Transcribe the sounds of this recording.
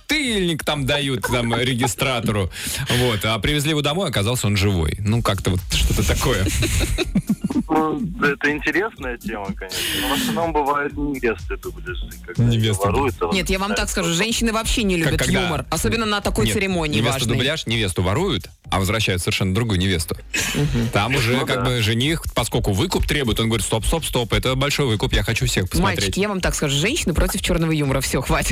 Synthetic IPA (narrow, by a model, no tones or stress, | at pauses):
t̪ɨlʲnʲɪkt̪amd̪ɐjut̪t̪amɾʲɪɡʲɪst̪ɾat̪əɾʊvo̞t̪apɾʲɪvʲɪzʲlʲiɪvod̪ɐmo̞jɐkɐzɑlˠsʲəo̞nʐɨvo̞̰jnukakt̪əvo̞t̪ʂt̪o̞t̪ət̪ɐko̞jə | nud̪ɛt̪əɪnʲtʲɪɾʲe̞snəjətʲeməkɐnʲeʂnəəp̪ɐmuʂt̪ənambɨvajɪt̪̚nʲɪvʲest̪ɨd̪ʊblʲɪʐɨkaɡnʲɪvʲesvɐɾujʊt̪nʲet̪javamt̪akskɐʐuʐɛnʲɕːɪnɨvɐpɕːenʲɪlʲubɪtkːɡjd̪umərɐsobʲɪnːənət̪ɐko̞j̪sɨɾʲɪmo̞nʲɪnʲɪvʲeaʐəd̪ʊːblʲaʂnʲɪvʲe̞st̪ʊvɐɾujʊt̪ | ɐ̰vəzvɾɐɕːæjʊt̪səɪrʂɛnəd̪ɾʊɡujʊnʲɪvʲe̞st̪ʊ̥m̩ɦm̩t̪amʊʐɛkaɡ̚bɨʐɨnʲixpɐskolʲkʊvɨkʊpt̪ɾʲebʊjɪt̪onɡəvɐɾʲit̪t̪o̞pst̪o̞pst̪o̞pɛt̪əbɐlʲʂo̞jvɨkʊpjaxɐt͡ɕufsʲexpə̥smaɐlʲɾt͡ɕeɪtkʲɪjavamt̪akskɐʐuʐɛnʲɕːɪnɨpɾʔo̞tʲɪft͡ɕo̞rnəvəjuməɾəfsʲoxvatʲɪ